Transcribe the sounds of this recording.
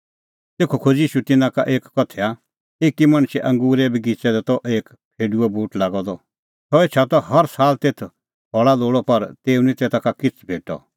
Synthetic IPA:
t̪eːkʰokʰod͡ʒiːʃut̪ɪnãkaʔeːkːɔt̪ʰɛa | eːkimɐɽ̃ʃɛʔɐ̃ŋɡuːɾɛbiɡit͡ʃɛd̪ɛt̪ɔʔeːk | pʰeːɖuɛbuːʈlaːɡɔd̪ɔ | t̪ɔeːt͡ʃʰat̪ɔhɐɾsaːlt̪eːt̪ʰ | ɦɔɭaloːɽɔpɐɾt̪eːunit̪eːt̪ʰakakɪt͡sʰbʱeːʈɔ̰

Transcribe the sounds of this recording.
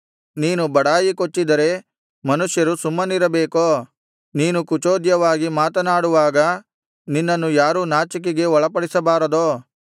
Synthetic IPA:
niːnubɐɽaːjikot͡ʃːid̪ɐɾe̞ | mɐnuʂjɐɾusumːɐniɾɐbeːkoː | niːnukut͡ʃoːd̪jɐʋaːɡimaːt̪ɐnaːɽuʋaːɡɐ | ninːɐnːujaːɾuːnaːt͡ʃɐk̬iɡe̞ɔɭɐpɐɽisɐbaːɾɐd̪oː

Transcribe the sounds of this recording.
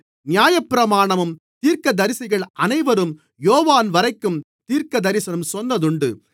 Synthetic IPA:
nɪjaːjɐpːɪɾɐmaːɳɐmɯm | t̪iːɾkɐd̪ɐɾɪsɪɣɐɭʔɐnɐɪʋɐɾɯm | joːʋaːnʋɐɾɐɪkːɯm | t̪iːɾkɐd̪ɐɾɪsɐnɯmsɔnːɐðɯɳɖɯ̰

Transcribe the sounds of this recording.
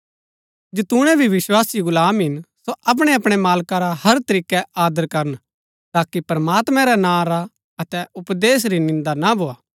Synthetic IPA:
d͡ʒɪt̪ʊ̃ɽ̃ɛbʱiʋɪʃwaːsiɡʊlaːmɦɪnsoʔɐp̬ɽ̃ɛɐpɽ̃ɛmaːlkaɾahɐɾt̪ɐɾiːkɛaːd̪əɾkɐɾən | t̪aːkipɾɐmaːt̪mɛ̃ɾɛnãːɾa | ɐt̪ɛʊpd̪eːs̬ɾinɪ̃nd̪anabʱoːaː

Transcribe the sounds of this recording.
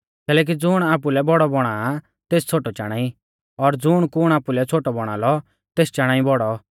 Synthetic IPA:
kɛːlɛːk̬id͡zʊɽ̃aːp̬ulɛbɔɽɔbɔɽ̃a | t̪eːst͡sʰoːʈɔt͡ʃaːɽ̃aːi | ɔɾd͡zʊɽ̃kʊɽ̃aːpulɛt͡sʰoːʈɔbɔɽ̃a̰ːlɔ | t̪eːst͡ʃaːɽ̃aːĩbɔɽɔ

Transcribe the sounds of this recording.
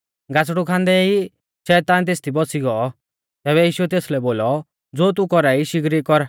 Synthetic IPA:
ɡat͡sɽukʰãːnd̪ɛi | ʃɛːt̪aːnt̪̬eːst̪ʰibɔsiɡɔː | t̪ɛːβɛjiːʃuɛt̪eːslɛboːlɔ | d͡zoːt̪̬ukɔɾaiʃɪɡɾikɔɾ

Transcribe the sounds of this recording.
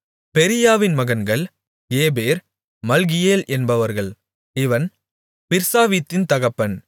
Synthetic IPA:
pɛɾɪjaːʋɪnmɐɣɐnɡɐɭ | eːbeːɾ | mɐlɣɪjeːlʔɛnbɐʋɐɾɣɐɭ | ɪʋɐn | pɪɾsaːʋit̪ːɪnt̪ɐɣɐpːɐn

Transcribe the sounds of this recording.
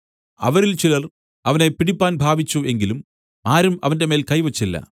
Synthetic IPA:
ɐ̰ʋɐɾɪlt͡ʃɪlɐr | ɐʋɐnɐɪpːɪɽɪpːaːnbʱaːʋɪt͡ʃːueŋɡɪlɯm | ʔaːɾɯmɐ̰ʋɐndɐmeːlkɐjʋɐt͡ʃːilːɐ̰

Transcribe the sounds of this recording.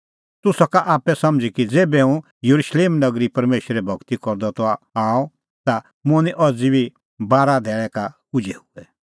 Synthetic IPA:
t̪ʊsɔkaʔaːpɛsɐ̃md͡zikid͡zeːbɛũ | jɐɾuʃleːmnɐɡɾipɐɾmeːʃɾɛbʱɔɡt̪ikɔɾd̪ɔt̪ɔaːɔ | t̪a | mʊ̃niʔɔd͡zibi | baːɾad̪ʱɛːɭɛkakʊd͡ʒʱɛhuɛ

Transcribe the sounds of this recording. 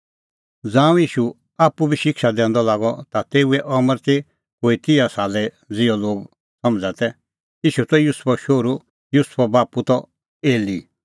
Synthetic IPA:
d͡zãːũjiːʃu | aːpubiʃɪkʃad̪ɛ̃ːnd̪ɔlaːɡɔt̪at̪eːuɛʔɔməɾt̪i | ɦoːit̪ɪjasaːlɛ | d͡zɪɔloːɡ | sɐ̃md͡zat̪ɛ | iːʃut̪ɔjuspɔʃoːɾu | jʊspʰɔbaːput̪ɔ | eːli

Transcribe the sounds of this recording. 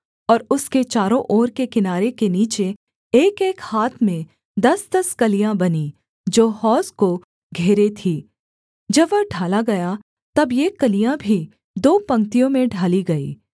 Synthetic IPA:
ɔːɾʊsket͡ʃaːɾõʔɔːɾkekɪnaːɾekeniːt͡ʃe | eːkeːkhaːt̪ʰmẽ | d̪ɐsd̪ɐskɐlijãbɐni | d͡ʒoːhɔːsko | ɡʱeːɾet̪ʰiː | d͡ʒɐbʋɐɖʱaːlaɡɐja | t̪ɐbjekɐlijãbʱi | d̪oːpɐ̃ŋkt̪ijõmẽɖʱaːliɡɐḭː

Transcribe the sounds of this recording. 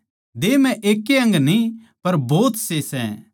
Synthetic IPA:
d̪eːmɛ̃ʔeːkːeɐ̃ŋɡnĩ | pɐɾboːt̪sesɛ̰

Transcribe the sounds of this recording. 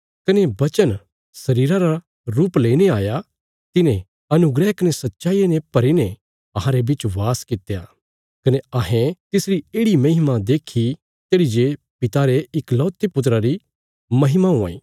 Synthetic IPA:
kɐnebɐt͡ʃən | sɐɾiːɾãɾa | ɾuːpleːineaːja | t̪ɪnẽ | ɐnʊɡɾɛɦkɐnesɐtːʃaːienepɐɾine | ɐɦãɾebɪt͡ʃʋaːskɪt̪eja̰ː | kɐneaɦẽt̪ɪsɾieːɽimɐɦɪmad̪eːkʰi | t̪eːɽid͡ʒe | pɪt̪aɾeɪklɔːt̪ːepʊt̪̬ɾaɾi | mɐɦɪmaũã̰ːḭː

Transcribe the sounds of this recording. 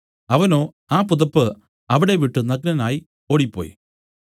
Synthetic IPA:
ɐʋɐno̞ː | aːpuðɐpːɨ | ɐʋiɽe̞ʋiʈːɨnɐɡnɐnaːji | o̞ːɽipːo̰ːjḭ

